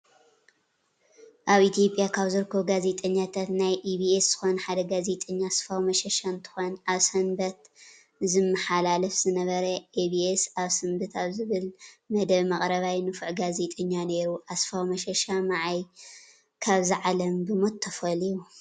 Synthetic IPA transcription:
ʔaβʔit̪ʰjo̞pʼjakʰaβzɨɾɨkʰːɐβɡaze̞t̪ʼɐɲːat̪ʰat̪najʔibiesz̥ɨxonħad̪ɐɡaze̞t̪ʼɐɲːasfawmɐʃɐʃant̪ʰɨ̥xonʔaβsɐmbɐt̪ | zɨmːɐħalalɐfz̥ɨnɐβɐɾɐʔebiesaβsɨmbɨt̪ʰaβzɨβɨlmɐd̪ɐβmɐχʼɾɐβajnɨfɨʕɡaze̞t̪ʼɐɲːane̞ɾuʔasfawmɐʃɐʃamaʕaj | kʰaβziʕalɐmbɨmot̪ʰːɐfɐliju

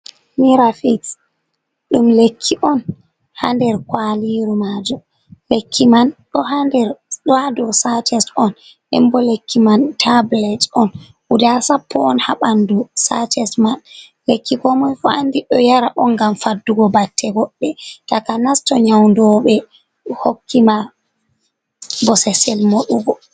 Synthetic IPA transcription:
miɾafis | ɗumlekʰːiʔɔn | handɛɾkwaliɾumad͡ʒɔ | lekʰːimanɗɔhandɛɾɗɔhadɔsatʰɛsɔn | ɛ̰mbɔlekʰːimantʰablɛtɔn | ʔudasapːɔːnhaɓandusatɛsman | lekːikɔmɔjfɔandiɗɔjaɾaʔɔnɡamfadːuɡɔbatʰːɛɡɔɗːɛtakanastɔɲawndɔɓɛ | hokːima | bɔsɛsɛlmoɗuɡɔ

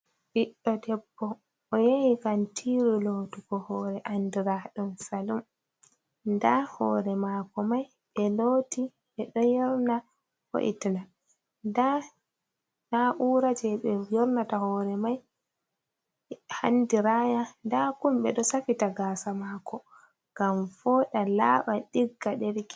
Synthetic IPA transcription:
ɓiɗɔdɛbːɔ | ʔɔjawikantʰiɾuloːtukɔhɔːɾɛʔandiɾaɗumsalum | ndahɔ̰ːɾɛmakɔmaj | ɓɛloti | ʔɛɗɔjɛɾna | hɔ̰ʔḭtna | nda | naʔuːɾad͡ʒɛɓɛjɔɾnatahɔːɾɛmaj | ha̰ndiɾaːjandakumɓɛɗɔsafitaɡaːsamaːkʰɔ | ŋɡamfɔɗalaːɓaɗiɡːaɗɛɾki̥

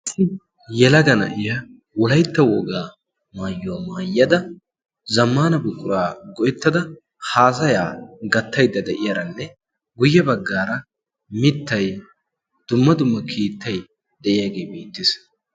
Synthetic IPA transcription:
ɐsɪ | jɛlɐɡɐnɐ̰ʔɪjɐ | wɔlɐjt̪ːɐwɔɡaː | maːjːʊwamaːjːɐd̪ɐ | zɐmːaːnɐbʊkʼʊɾaːɡɔʔɛt̪ːɐd̪ɐ | haːsɐjaːɡɐt̪ːɐjd̪ːɐd̪ɛʔɪjaːɾɐnːɛ | ɡʊjːɛbɐɡːaːɾɐ | mɪt̪ːɐj | d̪̥ʊmːɐd̪ʊmːɐkʰiːt̪ːɐj | d̪ɛʔɪjaɡeːbiːt̪ːɪs

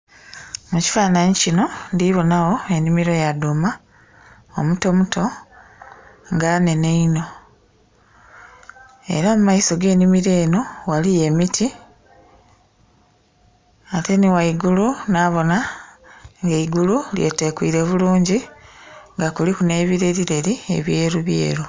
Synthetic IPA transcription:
muci̥faːnaɲicino̞ndiβo̞naɣo̞e̞nimiɾo̞jaduma | omuto̞mutʰo̞ | ŋɡane̞ne̞ino̞ | e̞̰ɾaomumaiso̞ɡe̞ːnimiɾe̞ːno̞walijemitʰi | ate̞niwaiɡulunaːβo̞na | ŋɡeiɡululje̞̰te̞kwḭːɾe̞βuluːɲɟi | ŋɡakulikune̞ːβiɾe̞ɾiɾe̞ɾie̞̰βje̞ːɾuβjḛːɾu

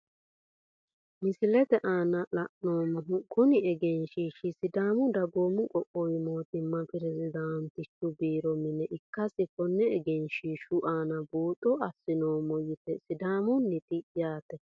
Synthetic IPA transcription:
mɪsɪlɛt̪ɛʔaːnɐlɐʔnoːmːɔɦʊkʊnɪɛɡɛnʃiːʃɪsɪd̪aːmʊd̪ɐɡoːmːʊkʼɔʔojmoːt̪ɪmːɐpɪɾɛzɪd̪aːnt̪ɪt͡ʃːʊbiːɾɔmɪnɛʔɪkːɐsɪkɔnːɛɛɡɛnʃiʃʊʔaːnɐbuːt̪ʼːɔʔɐsːɪnoːmːɔjɪt̪ɛsɪd̪aːmʊnːɪt̪ɪjaːt̪ɛ

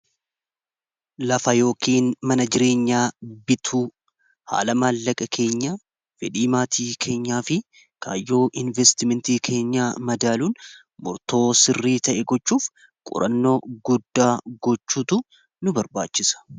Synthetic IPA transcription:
lɐfɐjo̞ːkiːnmɐnɐd͡ʒɪɾe̞ːɲːaːbɪt̪ʰuː | ha̰ːlɐmaːlːɐkʼɐkʰe̞ːɲːaː | fɛᶑiːmaːt̪ʰiːkʰe̞ːɲːaːfɪ | ka̰ːjːo̞ːʔɪnvɛst̪ɪmɛnt̪iːkʰe̞ːɲːaːmɐd̪aːluːn | mʊɾt̪o̞ːsɪrːiːt̪ɐʔɛɡɔt͡ʃːuːf | kʼʊ̰ɾʔɐ̰nːo̞ːɡʊd̪ːaːɡɔt͡ʃːuːt̪ʊ | nʊbɐɾbaːt͡ʃːɪsɐ̥

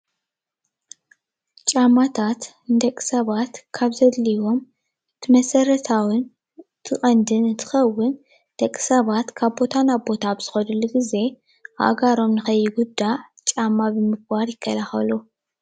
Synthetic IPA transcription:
t͡ʃʼamːat̪ʰat̪ | ɨnd̪ɐkʼi̥sɐβat̪kʰaβzɐd̪liwo̞m | t̪ʰɨmɐsɐɾɐt̪ʰawɨn | t̪ʰɨχʼɐnd̪ɨnɨnt̪ʰɨ̥xɐwːʊn | d̪̥ɐkʼːi̥sɐβat̪kʰaβbo̞t̪ʰanaβbo̞t̪ʰabz̥ɨxɐlɨlːuɡize̞ | a̰ʔɡaɾo̞mnɨxɐjːɪɡud̪ːaʕ | t͡ʃʼamːabɨmɨɡbaɾjɪkʰːɐlaxɐ̰lu

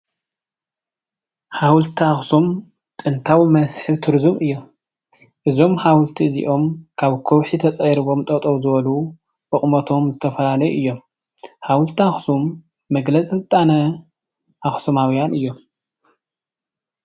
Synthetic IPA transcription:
hawlt̪ʰiaxsum | t̪ʼɨnt̪ʰawimɐsħɨβt̪ʰɨɾzumɨjːo̞m | ʔɨzo̞mhawlt̪ʰizḭʔo̞mkʰaβkʰowħit̪ʰɐt͡sʼɐjɾɨβo̞mt̪ʼɐt̪ʼoβzɨβɐlu | ʔɨχʼmɐt̪ʰo̞mzɨt̪ʰɐfɐlalɐjuʔɨjːo̞m | hawlt̪ʰaxsumː | ɐɡlɐt͡sʼɨzɨt̪ʼanɐ | ʔaxsɐmawjanʔɨjːo̞m

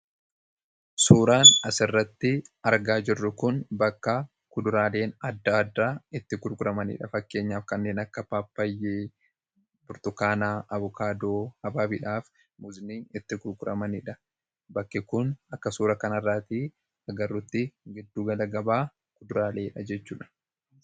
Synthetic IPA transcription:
suːɾaːnɐsɪrːɐt̪ːɪɐɾɡaːd͡ʒɪrːʊkʊnbɐkːɐ | kʊd̪ʊɾaːle̞ːnɐd̪ːɐːd̪ːaːɪt̪ːɪɡʊɾɡʊɾɐmɐnɪ̰ᶑɐfɐkːe̞ːɲːaːfkɐnːeːnɐkːɐpaːpːɐjːeː | bʊɾt̪ʊkaːnaːɐβʊkaːd̪oːhɐbaːbiᶑaːf | muzɪniːnɪt̪ːɪkʊɾɡʊɾɐ̰mɐnɪᶑɐ | bɐkːɪkʊnɐkːɐsuːɾɐkɐnɐrːaːt̪i | ɐɡɐrːʊt̪ːɪɡɪd̪ːuːɡɐlɐɡɐbaː | kʊd̪ʊɾaːle̞ːᶑɐd͡ʒɛt͡ʃːuːᶑɐ̥

